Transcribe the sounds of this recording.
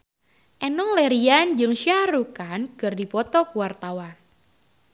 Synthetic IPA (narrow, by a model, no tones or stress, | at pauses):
ʔɛnɔŋlɛɾiand͡ʒɨŋʃiarukankɨrdipɔt̪ɔkuwart̪awan